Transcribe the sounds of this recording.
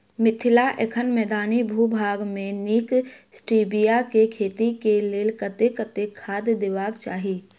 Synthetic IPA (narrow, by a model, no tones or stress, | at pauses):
mɪt̪ʰɪlaʔḛkʰənmɛːd̪aːnibʱuːbʱaːɡmẽniːksʈiːbijakekʰeːt̪ikeleːlkət̪ekət̪ekʰaːd̪d̪eʋaːkt͡ʃaːɦiː